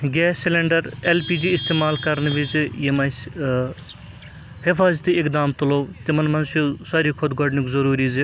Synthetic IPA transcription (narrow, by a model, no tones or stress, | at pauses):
ɡɛːsːileɳɖɐɾelpiːd͡ʒiɪst̪eːmaːlkɐɾnʋizjemɐs | hifaːzt̪iɪkd̪aːmt̪ɐloːt̪imɐnmɐnsosaːɾikʰʊd̪ɡɔɖnikzɐɾuːɾize